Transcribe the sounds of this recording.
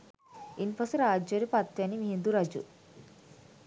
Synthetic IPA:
inpɐsuɾaːd͡ʒɐɾipɐt̪jɐnimiɦind̪uɾɐd͡ʒṵ

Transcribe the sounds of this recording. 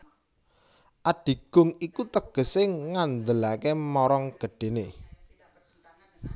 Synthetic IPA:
ʔaɖ̥i̤ɡ̥ʊ̤ŋikut̪əɡ̥ə̤seŋand̪əlakemɔɾɔŋɡ̥ə̤ɖ̥e̤ne

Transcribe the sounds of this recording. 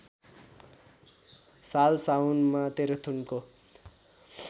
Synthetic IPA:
salsawnmat̪eɾʌt̪ʰunko

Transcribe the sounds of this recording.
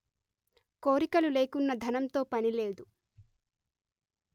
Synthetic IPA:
koːɾikɐlule̞ːkunːɐd̪ʱɐnɐmt̪o̞ːpɐnile̞ːd̪u

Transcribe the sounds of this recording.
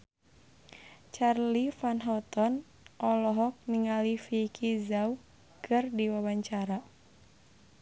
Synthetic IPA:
t͡ʃarlifanɦɔt̪ɔn | ʔɔlɔɦɔk̚niŋalifikʰizau | kʰɨrdiwawaɲt͡ʃaɾa

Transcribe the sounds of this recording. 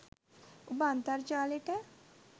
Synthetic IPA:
ʊbãːnt̪aɾt͡ʃaːleʈɛ

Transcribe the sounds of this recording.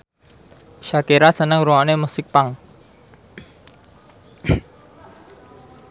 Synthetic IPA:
ʃakeɾasənəŋɾuanemusɪk̚paŋ

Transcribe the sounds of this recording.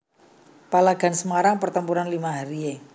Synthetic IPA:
palaɡ̥a̤nsəmaɾaŋpərt̪əmpuɾanlimaɦaɾie

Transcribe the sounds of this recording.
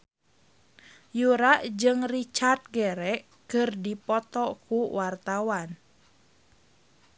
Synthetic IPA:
juɾaʔd͡ʒɨŋrit͡ʃart̪̚ɡɛɾɛʔ | kɨrdipɔt̪ɔkuwart̪awan

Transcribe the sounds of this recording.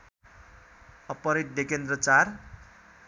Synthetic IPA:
ʌpʌɾit̪̚d̪ekend̪rʌt͡sar

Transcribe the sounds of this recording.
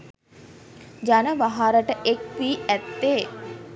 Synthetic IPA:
d͡ʒanəʋaɦaɾəʈəʔek̚piːæt̪ːe

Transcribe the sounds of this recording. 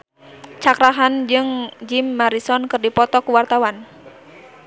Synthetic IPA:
t͡ʃakɾaɦand͡ʒɨŋd͡ʒimːaɾisɔnkɨrdipɔt̪ɔkuwart̪awan

